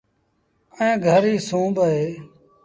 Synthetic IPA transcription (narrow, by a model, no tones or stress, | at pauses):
ẽːɡʱəɾiːsũːbəɦeː